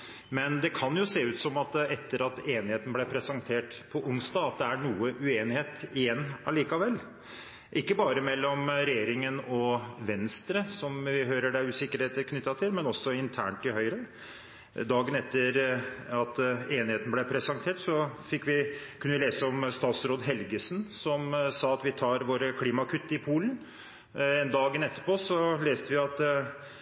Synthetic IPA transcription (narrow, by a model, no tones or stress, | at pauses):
mɛnd̪ɛkʰɑnjʊseːʉːt̪sɔmɑt̪ɛt̪ːəɾɑt̪eːnɪheːt̪n̩blɛpʰɾɛsɑŋt̪ʰeːʈpʰɔʔʊnst̪ɑːɑt̪̚d̪ɛæɳuːəʔʉeːnɪheːt̪ɪjɛnːɑliːkɑʋɛlː | ʔɪkːəbɑːɾəmɛlːɔmɾɛjeːɾɪŋənɔʋɛnst̪ɾəsɔmʋɪɦøːɾəɖæʉːsɪkːəɾheːt̪əkʰnʏt̪ːɑt̪ʰɪlmɛnɔsːɔɪnt̪ʰæ̰ːɳʈɪlhœʏɾən | d̪ɑːɡənɛt̪ːəɾɑt̪eːnɪheːt̪nəblɛpʰɾɛsɑnt̪ʰeːʈsɔfɪkːʋɪkʰʉnəʋɪleːsəɔmst̪ɑːt̪sɾoːd̪ɦɛlɡəsnsɔmsɑːɑt̪ʋɪt̪ʰɑːɾʋoːɾəkʰliːmɑkʰʉt̪ːəɪpʰuːlən | ɛnd̪ɑːɡənɛt̪ːəpʰoːsɔleːst̪əʋɪɑt̪